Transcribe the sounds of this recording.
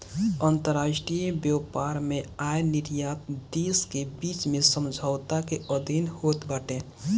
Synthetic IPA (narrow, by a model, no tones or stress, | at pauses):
ənt̪əɾaːʃʈɾijebjɔpaɾmẽaenɪɾjat̪̚d̪eːskebiːt͡ʃmẽsəmd͡ʒʱaʊt̪akeəd̪ʱinhoːt̪bəʈe